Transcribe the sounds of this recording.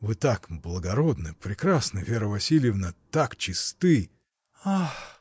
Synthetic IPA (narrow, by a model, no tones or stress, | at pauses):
vɨt̪akblˠəɡɐɾod̪nɨpɾʲɪkɾasnəvʲeɾəvɐsʲilʲɪjɪvnət̪akt͡ɕɪst̪ɨj | ax